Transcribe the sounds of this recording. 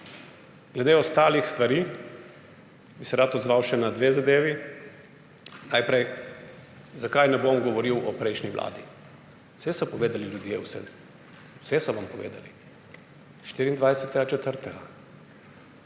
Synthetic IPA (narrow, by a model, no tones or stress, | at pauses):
ɡ̥lɛd̪eɔst̪aːlixst̪ʋaɾiː | bisɛɾaːt̪ɔd̪zʋawʃɛnad̪ʋeːzad̪eːʋi | najpɾɛj | zakajnɛbomɡɔʋɔɾiwɔpɾɛjʃniʋlʔa̰ːd̪i | sɛsɔpɔʋeːd̪aliljud̪jewsɛ̰ | wsɛsɔʋampɔʋḛːd̪a̰li | ʃt̪iɾiːnd̪ʋajsɛt̪ɛɡat͡ʃɛt̪əɾt̪ɛɡa̰